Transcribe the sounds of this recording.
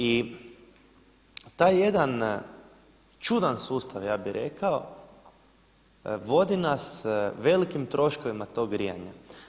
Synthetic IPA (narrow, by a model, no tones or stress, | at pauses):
i | t̪aːjːe̞d̪an | t͡ʃud̪ansuːst̪aʋjaːbiɾe̞̰kao | ʋo̞d̪inasʋe̞likimt̪ɾo̞ʃko̞ʋimat̪o̞ɡɾija̰ɲa̰